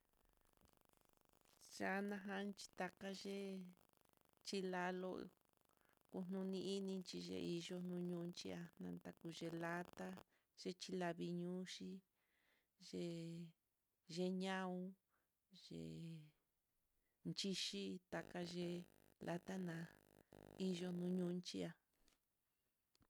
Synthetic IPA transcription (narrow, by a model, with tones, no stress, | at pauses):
ʒ̥a˨˦nã˧ɦã˧nt͡ʃi̥˧t̪a˧ka˧ʒe˦ | t͡ʃi˦la˧lo˧ | ku˧n̥nũ˧nĩ˧i˦nĩ˧nt͡ʃi˧ʒḛ˧ʔi˧ʒo˧n̥nũ˧ɲũː˧nt͡ʃi˧a˧nã˧nt̪a˧ku˧ʒe˧la˦t̪a˦ | ʒ̥e˦t͡ʃi˧˦la˧βi˧ɲũː˦ʃi˦ | ʒe˧ | ʒe˦ɲã˦ũ˦ | ʒḛ˨ | nt͡ʃi˦ʃi˦t̪a˨ka˧ʒe˧lʔa˧t̪a˦nã˧ | i˦ʒo˧nũ˧˦ɲũ˦˧nt͡ʃi˦a˧